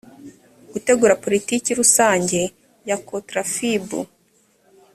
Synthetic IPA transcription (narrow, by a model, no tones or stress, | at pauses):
ɡ̥ute̞ɡuːɾapo̞ɾitikiɾusaːɲɟe̞ | jakotɾafibṵ